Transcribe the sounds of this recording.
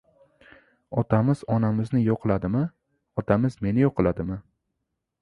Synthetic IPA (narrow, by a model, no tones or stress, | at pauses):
ɒt̪ʰamɪz̥ɒnamɪznɪjoqʰɨlˠad̪ɪmɪ | ɒt̪ʰamɪzme̞nɪjoqʰɨlˠad̪ɪmɪ